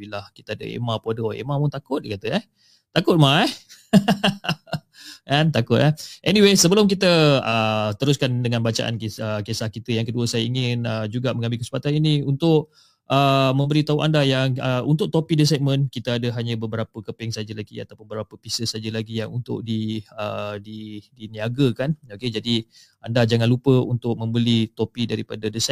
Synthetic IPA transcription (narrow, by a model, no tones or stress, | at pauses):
bilahki̥t̪əadə̰ḛmapodoḛmãpʊnt̪akʊt̪̚ekat̪əɛh | t̪akʊt̪̚maɛh | ʔɛnt̪akʊt̪ɛʔɛniwesəbəlʊmk̬it̪əət̪əɾʊskandəŋanbat͡ʃa̰ʔa̰nkəkesahkit̪əjaŋkəduəsajaiŋɪnəd͡ʒuɡamə̃ŋambɪlkəsə̥pat̪aniniunt̪ʊʔ | ʔəmə̃mbəlit̪auʔa̰ndajaŋəunt̪ʊʔ̚t̪opidəs̬ɛmə̃nkit̪əadəɦaɲəbəbəɾapəkəpɛŋsad͡ʒəlaɡḭa̰t̪apʊnbəbapəpisəsad͡ʒəlaɡijaŋunt̪ʊ̰ʔ̚diədidiniaɡəkanoked͡ʒadi | andad͡ʒaŋãnlupəunt̪ʊk̚mə̃mbəlit̪opidaɾipadədəsɛ